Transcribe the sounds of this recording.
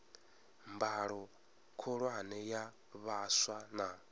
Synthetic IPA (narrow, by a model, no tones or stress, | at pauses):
mbaɺɔ | kʰɔɺwanɛja | βaswana